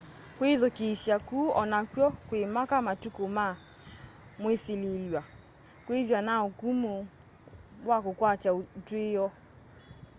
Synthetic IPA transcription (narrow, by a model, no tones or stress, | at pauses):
kweðokesjakuɔnakwjɔkwemakamatukoma | mweselelwa | kweðwanaokumo | wakokwat͡ʃatwejɔ